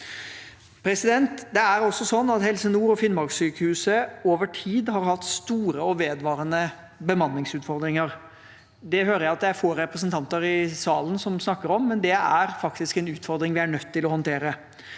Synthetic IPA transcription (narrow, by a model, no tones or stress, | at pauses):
pʰɾɛsɪd̪ɛnt̪d̪ɛæɾɔsːɔsɔnːɑt̪hɛlsənuːɾɔfɪnmɑɾɡsyːkəhʉːsəoːʋəʈʰiːd̪hɑɾhɑt̪ːst̪uːɾəɔʋeːd̪ʋɑːɾənə | bəmɑnːɪŋsʉːt̪fɔɾd̪ɾɪŋəɾ | d̪ɛɦøːɾəjæɪɑt̪d̪ææɾfoːɾɛpɾəs̬ənt̪ʰɑnt̪əɾɪsɑːlənsɔmsnɑkːəɾɔmːɛnd̪ɛæɾfɑkt̪ɪskɛnʉːt̪fɔɾd̪ɾɪŋʋɪæɳœt̪ʰːɪlɔhɔnt̪ʰeːɾə